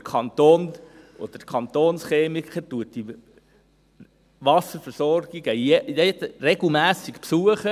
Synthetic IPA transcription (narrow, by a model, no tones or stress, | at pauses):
kʰɑnt̪oːn | ʔɔ̰d̪̥əkʰχɑnt̪oːnsχeːmikχətuət̚di | ʋɑsəfəɾsɔɾɡ̥iɡəjɛjɛtɾɛɡl̩ˠmæːsikpsuəχə